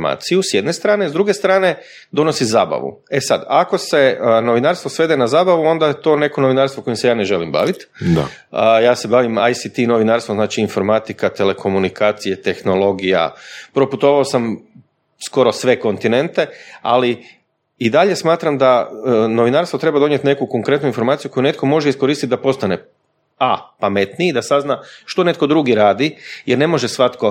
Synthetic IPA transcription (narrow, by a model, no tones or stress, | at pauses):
ma̰ːt̪sijusjed̪ne̞st̪ɾaːnezd̪ɾuɡe̞st̪ɾaːne̞ | d̪o̞nosizaːba̰ʋṵ | e̞sad̪ako̞se̞no̞ʋinaɾst̪ʋosʋe̞d̪enazaːbaʋuo̞nd̪ajet̪o̞ːne̞ko̞no̞ʋinaɾst̪ʋoko̞jimse̞jaːne̞ʒe̞limba̰ʋit̪d̪a̰ | əjaːse̞baːʋima̰jsit̪ino̞ʋinaːɾst̪ʋomznaːt͡ʃiːnfo̞ɾmat̪ikat̪e̞le̞kʰo̞munikaːt̪sije̞t̪e̞xno̞lo̞ɡija̰pɾo̞put̪o̞ʋaosam | sko̞ɾo̞sʋe̞ko̞nt̪ine̞nt̪e̞a̰li | id̪aʎe̞smaːt̪ɾamd̪ano̞ʋinaːɾst̪ʋo̞t̪ɾe̞bad̪o̞nie̞t̪ne̞kuko̞ŋkɾe̞t̪nuinfo̞ɾmaːt̪sijuko̞june̞t̪ko̞mo̞ʒeisko̞ɾiːst̪it̪̚d̪apo̞st̪ane̞ | apamet̪niid̪asaznaʃt̪o̞ne̞t̪kod̪ɾuɡiɾaːd̪ijeɾne̞mo̞ʒesʋat̪ko̞